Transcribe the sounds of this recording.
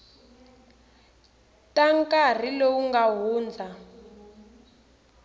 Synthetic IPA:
taŋkar̤ilouŋɡaɦuːnd͡za

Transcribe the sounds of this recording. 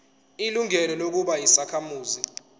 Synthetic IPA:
iluŋɛlɛlok̬uɓajisakʰamuːzi

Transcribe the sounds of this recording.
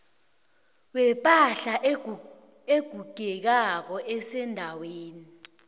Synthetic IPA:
wɛpʼaɬa | eɡ̥ʱuɡ̥ʱɛk̬ak̬ɔʔɛsɛndʱaweːni

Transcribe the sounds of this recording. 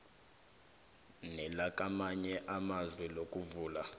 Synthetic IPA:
nɛlakʼamaɲɛʔamazwɛlokʼuvuːla

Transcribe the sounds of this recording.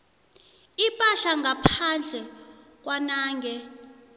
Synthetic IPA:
ipʼaɬaŋɡʱapʰand͡ɮʱɛ | k̬ʼwanaːŋɡʱɛ

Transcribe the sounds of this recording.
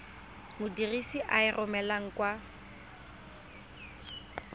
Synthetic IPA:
mʊdirisiʔaɪrʔɔmɛlaŋ̩kʼwa

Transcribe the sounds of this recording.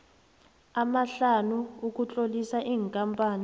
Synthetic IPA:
amaɬanuuk̬ʼut͡ɬʼolisaʔiːŋkʼampʼaːni

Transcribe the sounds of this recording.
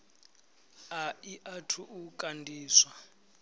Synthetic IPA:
aiʔatʰuʔukʼandʱiːswa

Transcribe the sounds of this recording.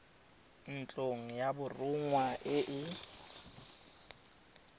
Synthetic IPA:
n̩t͡ɬʼoŋ̩jabʊrʊŋwaʔɪʔɪ

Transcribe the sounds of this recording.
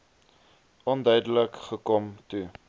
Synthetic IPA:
ɔndœɥdələkχəkɔmtu

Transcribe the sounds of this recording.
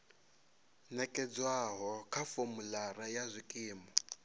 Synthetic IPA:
nɛkʼɛd͡zwaɦɔkʰafomulaɾajazʷikʼiːmɔ

